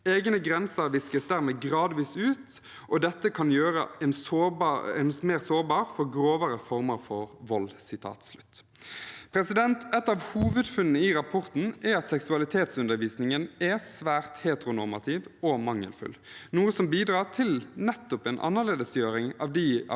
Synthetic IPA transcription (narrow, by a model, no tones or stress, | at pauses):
eːɡnəɡʁɛnsəɾʋɪskəsd̪æːʁmeːɡʁɑːd̪ʋiːsʉːt̪ | ʔɔd̪ɛt̪ːəkʰɑnjøːɾə̰ɛnsoːɛnsmeːʁsoːʁbɑːɾfɔʁɡɾoːʋəɾəfɔʁməɾfɔɾʋɔlsɪt̪ʰɑ̰ːt̪slʉt̪ː | pʰɾɛsɪd̪ɛnt̪ʰɛt̪ːɑʋhuːʋʉd̪fʉnnəiɾɑpʰɔʁt̪n̩ɛɾɑt̪sɛksʉɑlɪt̪ʰeːt̪sʉnd̪əɾʋiːsnɪŋənɛsʋæːʁt̪heːt̪əɾʁʊnɔʁmɑt̪ʰiːʋɔmɑŋːə̰lfʉ̰lnuːəsɔmbiːd̪ɾɑːʁt̪ʰɪlnɛt̪ːʊpɛːnʔɑ̰nːəʁleːd̪əsjøːɾɪŋɑʋd̪ɪ